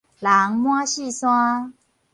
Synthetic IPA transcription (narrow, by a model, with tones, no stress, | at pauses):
la˨˦ŋmw̃a˦˥ɕi˥˧˨swã˦